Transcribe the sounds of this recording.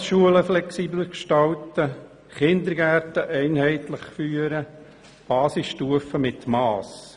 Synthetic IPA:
ʃuələflɛksiːbləkʃtɑltə | χɪnd̪əɾɡæɾtəʔɛɪnhɛɪtləχfyːəɾə | b̥ɑːsɪsʃtuəfəmɪt̪mɑːs

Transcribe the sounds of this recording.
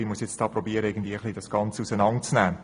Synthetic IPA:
imuəsjɛt͡std̥ɑːprɔbiəɾəeɪɡən̩dviːəəχlid̥ɑsɡ̥ɑnt͡səusənɑntt͡snæː

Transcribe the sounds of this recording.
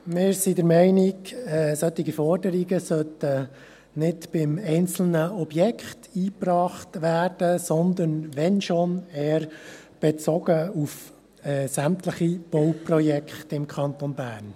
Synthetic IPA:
mɪːɾsidəɾmɛɪnɪɡsœt̪iɡifɔɾdəɾiɡəsœt̪ə | nɪdb̥ɪmɛɪnt͡sl̩nəɔbjɛkχtiːprɑːχtʋæːrd̥əsɔnd̪ənʋɛnʃonɛːɾ | b̥ɛt͡sɔɡəuf | ɛsæmtləχib̥ɔwprɔjɛkχtɪmkʰɑnt̪onbæːɾn

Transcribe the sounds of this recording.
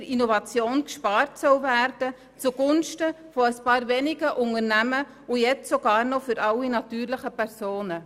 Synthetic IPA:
əɾinɔvɑt͡sjoːnkʃpɑːɾtsœwvæɾd̥ə | t͡suɡ̥ʊnʃtə | fɔəspɑːɾvɛnɪɡəʔʊnəɾnæmə | ujɛt͡ssoɡ̥ɑːɾnɔfʏɾʔɑwinɑtyːɾlɪχəpɛɾsoːnə

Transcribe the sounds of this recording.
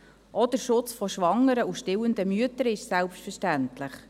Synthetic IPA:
ʔɔd̥̪əɾʃʊt͡sfɔʃʋɑŋːəɾəuʃtɪwənd̪əmyətəɾɪʃsɛlpstfəɾʃtæntlɪχ

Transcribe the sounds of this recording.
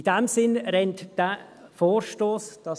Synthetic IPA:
id̥ɛmsɪnɾɛntd̥ɛ | foːɾʃtoːsd̥ɑ

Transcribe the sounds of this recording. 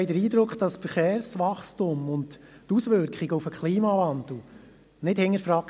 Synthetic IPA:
hɛɪdəɾiːd̪ɾʊkχd̥ɑsfəɾχɛːɾsʋɑχstʊmʊnt | tusʋʏɾkχiɡəufəkχliːmɑvɑnd̪l̩ˠ | nɪthɪŋːəɾfɾɑk

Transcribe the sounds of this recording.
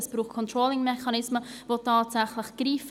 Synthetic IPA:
əsb̥ɾuːχt̚kʰɔntroːlɪŋmɛχɑnɪsməvotʰaːtsaχlɪχɡ̥riːf

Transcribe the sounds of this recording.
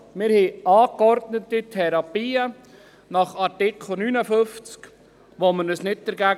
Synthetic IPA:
mɪɾhɛʔɑːkɔɾdnətitʰɛɾɑpiːə | nɑχɑɾtɪkʰl̩ˠnyːnəfʏft͡sk | ʋomənəsnɪt̚d̥əɾɡæːɡ

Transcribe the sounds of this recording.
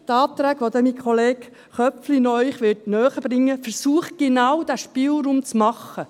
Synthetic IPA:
t̪ɑːt̪ɾæːɡʋod̪ɛmikʰχoleːk | χœpflinœʏχʋɪtnœːχəb̥ɾɪŋːəfəɾsuːəχɡ̥enɑwd̥̪æʃpiːlɾuːmt͡smɑχːə

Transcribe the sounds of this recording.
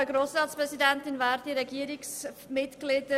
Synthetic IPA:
əɡɾoːsɾɑːtspʁɛsidɛntɪnvaːɾdiɾɛɡiəɾɪksmɪtɡ̥lɪd̥ə

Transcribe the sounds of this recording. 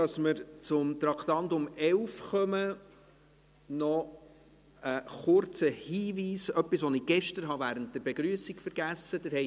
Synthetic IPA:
ɑsməɾt͡sʊmt̪ɾɑkt̪ɑnt̪ʊmɛlfχœmə | nɔ | əχʊɾt͡səhiːviːsœpːisʋɔnɪɡ̥ɛʃtəɾɦɑvæːɾənt̚d̥əɾbeɡɾyəsikfəɾɡ̥æsːəd̥ɪɾhɛ

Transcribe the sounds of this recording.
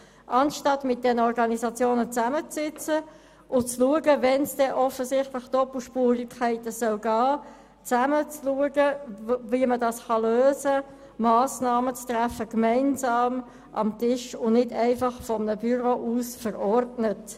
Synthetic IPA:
ʔɑnʃtɑtmɪt̚d̥ɛnəɔɾɡɑnisɑt͡sjoːnət͡sæmət͡ssɪt͡sə | ʊt͡sluəɡəvɛnsd̥ɛʔɔfəsɪχtlɪχd̥ɔpl̩ʃpuːʁɪkʰχæɪtəsœlɡaː | t͡sæmət͡sluəɡəviəmədɑsχɑløːzə | mɑːsnɑːmət͡stʁæfəkmæɪnzɑːm | ʔɑ̰mtɪʃʊnɪdæɪfɑχfɔmənəbyʁoʔuːsfəɾɔɾdnət

